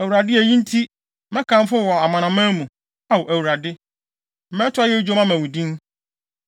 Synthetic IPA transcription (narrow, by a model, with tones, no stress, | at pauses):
æ˨wu˨ɾa˨dɪ˦æ˨jĩ˦n̩˦tʰi˦ | mɛ̃˦kʰã˨m˦fʊ˦wɔ˨a˨mã˨nã˨mãː˦mũ˨ | a˦wɔ˨ʔæ˨wu˨ɾa˨dɪ˦ | m̩˨mɛ̃˦tʰʊ˦a˦jɛ˦d͡ʑᶣo˦mã˦mæ̃˨wu˨dĩ˦n